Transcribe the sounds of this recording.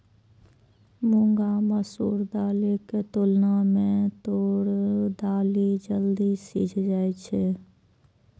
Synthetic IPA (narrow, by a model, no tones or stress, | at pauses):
mʊ̃ŋɡaməsṵːɾd̪aːliket̪ʊlnamẽt̪oːɽd̪aːlid͡ʒəld̪isḭːd͡ʒʰd͡ʒaːet͡ʃʰe